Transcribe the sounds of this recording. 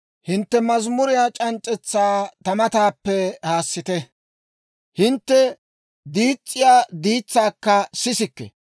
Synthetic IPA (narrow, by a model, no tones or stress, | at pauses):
hɪnt̪ːɛmɐzmʊɾɪjaːt͡ʃʼɐnt͡ʃʼːɛt͡sːaːt̪ɐmɐt̪aːpːɛhaːsːɪt̪ɛ | hɪnt̪ːɛ | d̪iːt͡sʼːɪjaːd̪iːt͡sːaːkːɐsɪsɪkːɛ̰